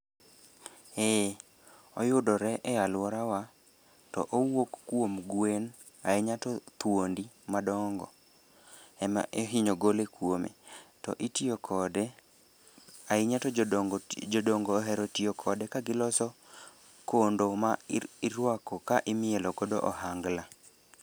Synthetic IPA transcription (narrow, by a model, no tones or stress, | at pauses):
e | ɔjʊdɔɾɛʔɛalwɔɾawa | tɔ̰ʔowokːwomɡwen | a̰ɪɲatɔt̪wondi | madɔŋɡɔ̰ | ɛma̰ʔeɦɪɲoɡolekwomḛtɔ̰ʔitjokʰɔdɛ | aɪɲatɔ | d͡ʒodoŋɡɔːɦɛɾɔtiokʰɔdɛkaɡɪlɔsɔ | kondomaiɾwakɔkaʔɪmɪɛlɔɡɔdo̰ʔɔ̰ɦaŋɡla